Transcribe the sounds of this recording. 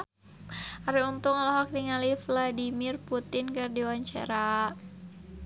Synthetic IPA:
aɾiunt̪ʊŋalɔɦɔk̚diŋalifladimɪrput̪ɪnkɨrdiwaɲt͡ʃa̰ɾa

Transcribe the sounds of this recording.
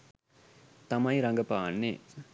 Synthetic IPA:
t̪ɐmɐjɾɐŋɡɐpaːnːe

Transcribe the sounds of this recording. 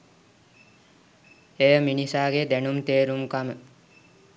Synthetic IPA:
ejəminisaːɡed̪ænumt̪eːɾumkamə

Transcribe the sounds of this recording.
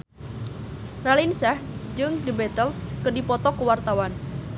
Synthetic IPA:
ralinsahd͡ʒɨŋdibɛt̪əlskədipɔt̪ɔkəwart̪awan

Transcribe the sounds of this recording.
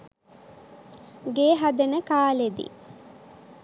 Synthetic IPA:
ɡeːɦad̪enəkaːled̪ḭ

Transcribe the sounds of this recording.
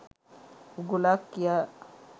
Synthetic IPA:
uɡulakːija

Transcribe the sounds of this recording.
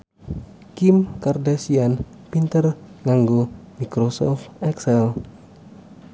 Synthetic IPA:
kimkardasian | pint̪ərŋaŋɡomikɾɔsɔ̰ft̪ɛksɛl

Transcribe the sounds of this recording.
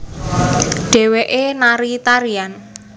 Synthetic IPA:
ɖ̥e̤weʔenaɾit̪aɾian

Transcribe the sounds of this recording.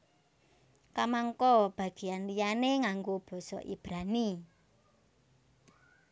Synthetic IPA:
kamaŋkɔb̥ä̤ɡ̥i̤anlijaneŋaŋɡob̥ɔ̤sɔ̰ʔḭb̥ɾani

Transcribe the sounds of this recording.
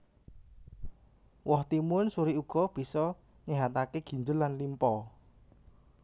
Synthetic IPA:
wɔht̪imʊnsuɾiuɡ̥ɔ̤b̥i̤sɔ | ɲɛɦat̪akeɡ̥i̤ɲd͡ʒʊlːanlimpɔ

